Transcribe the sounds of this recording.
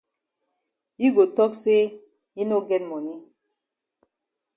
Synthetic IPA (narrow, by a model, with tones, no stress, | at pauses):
i˦ɡo˨tɔ˦k̚se˦ | i˦no˦ɡɛ˦nmɔ˨ni˦